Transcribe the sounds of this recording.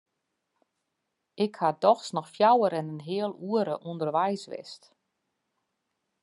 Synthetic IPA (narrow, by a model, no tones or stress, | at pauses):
ʔɪkhadɔxsnɔxfjawəɾɛnənɦɪəlˠuəɾəʔundərʋɛjsʋɪ̰st